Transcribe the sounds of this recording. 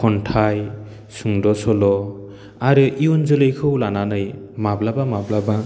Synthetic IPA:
ɔntʰaj | suŋdɔsɔlɔ | aɾɯʔiunzɯlɯjkʰɯwlananɯj | mablabamablaba

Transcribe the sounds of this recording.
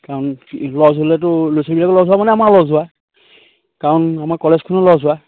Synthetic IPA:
kaɹɔnlɔzolɛtʊlojsɔbilakɔlɔzʊwamanɛamalɔzʊwa | kaɹɔnamaɹkɔlɛzkʰʊnɔlɔzʊwa

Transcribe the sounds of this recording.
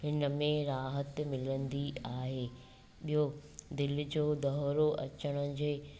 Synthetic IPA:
ɦɪnəmẽɾaːɦət̪mɪlə̃nd̪iaːɦeː | ɓiɦod̪ɪl̆d͡ʑoːd̪ɐɦɾoʔɐt͡ɕəɽ̃ə̆d͡ʑeː

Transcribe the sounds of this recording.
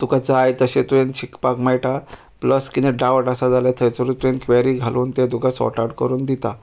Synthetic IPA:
t̪ukad͡zajt̪əɕet̪uent͡ɕʰikpakmajʈa | pləskit̪ɛɖawʈasad͡zaljat̪ʰəjt͡səɾut̪uẽnkʋeɾiːɡʱaluːnt̪ed̪ukasɔ̰ʈaɽkə̰ɾuːnd̪it̪a

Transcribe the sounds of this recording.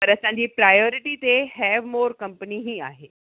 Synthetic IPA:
pəɾəsãɲd͡ʑiːpɾajoɾɪʈiːt̪ehɛʋmoːɾkə̃mpəniɦiːa̰ɦe

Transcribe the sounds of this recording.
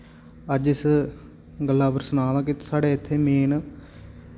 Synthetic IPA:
əd͡ʒɪs | ɡəlːaːpəɾsʊnãːlãːkɪsaːɽeːɪt̪ʰːeːmeːn

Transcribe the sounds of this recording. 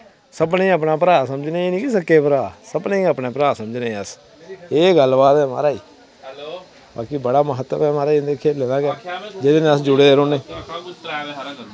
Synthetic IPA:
səbnẽːəpnaːp̬əɾaːsəməd͡ʒnẽːeːnĩːkisəkːeːpəɾaːsəbneːĩːəpneːpəɾaːsəməd͡ʒneːəs | eːɡəlbaːt̪ɛːma̰ːɾaːiː | ba̰ːkiːbəɽaːməɦət̪ːə̰mɛ̃ːmaːɾaːid̪eːkʰeːleːnaːɡɛːd͡ʒed̪eːnẽːəsd͡ʒʊɽeːeɾoːneː

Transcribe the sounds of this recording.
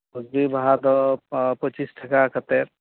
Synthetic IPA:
buɡbibɦad̪ɔpət͡ʃisʈʰəkakʰət̪eɾ

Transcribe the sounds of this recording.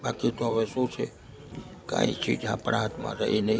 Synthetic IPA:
bakit̪oɦəʋesũt͡ʃʰe | kã̰ːḭt͡ʃʰḭd͡ʒã̰pɾãːt̪mã̰ɾəinə

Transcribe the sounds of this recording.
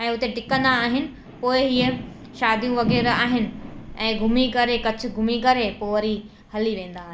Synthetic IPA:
ɛ̃ːʊt̪eʈɪkə̃nd̪aːɦɪnɪ̆ | poːɪɦiːe | ʃaːd̪ʱijũʋɐɣɛːɾaːɦɪnɪ̆ɛ̃ːɡʱʊmikɐɾekɐt͡ɕʰʊ̆ɡʱʊmikɐɾepoːʋɐɾi | hɐliʋẽːn̆d̪aːɦ

